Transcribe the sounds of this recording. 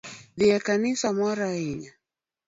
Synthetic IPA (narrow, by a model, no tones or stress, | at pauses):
ðijakanisamɔɾaiɲa